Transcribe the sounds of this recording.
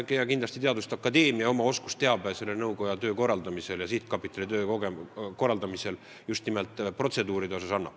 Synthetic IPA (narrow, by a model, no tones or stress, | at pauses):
kejɑkind̪lɑst̪it̪eɑd̪ust̪ɑkːɑd̪e̞ːmiɑo̞mɑo̞sku̥st̪e̞ɑbese̞lːenɤwkojɑt̪ø̞ːko̞rːɑld̪ɑmise̞ljɑsit̪kɑpːˑit̪ːˑɑlit̪øːoɡeko̞rːɑld̪ɑmise̞l | just̪nimelt̪ˑpro̞t̪se̞d̪uːɾid̪eo̞sɑsɑnːɑ̰